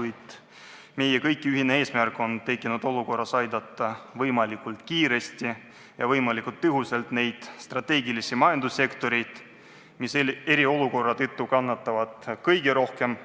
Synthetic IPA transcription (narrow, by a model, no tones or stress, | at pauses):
jt̪ | me̞jekɤjkːˑiyɦinee̞ːsmærkːˑo̞nt̪e̞kːinud̪̥o̞luko̞rːɑsɑjd̪ɑt̪ːˑɑvɤjmɑlikˑult̪kiːɾe̞st̪i | jɑ̰vɤjmɑlikult̪ːɤɦuse̞lt̪ne̞jd̪̥st̪rɑt̪ːe̞ːɡilisimɑjɑnd̪̥usːe̞kt̪o̞ɾejd̪̥ | misee̞ɾio̞luko̞rːɑt̪et̪ːukɑnːɑt̪ːˑɑvɑd̪̥kɤjɡ̥eɾo̞hke̞m